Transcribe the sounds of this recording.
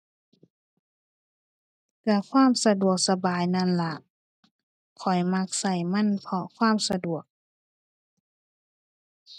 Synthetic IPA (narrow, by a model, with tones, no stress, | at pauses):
ka˧˩kʰwaː˧˥˨msa˧du˨˩ək̚sa˧baː˨jna˧˥˨nla˧˩ʔ | kʰɔ˨˩jma˧k̚sa˧˩jma˧˥˨npʰɔ˧kʰwaː˧˥˨msa˧du˨˩ək̚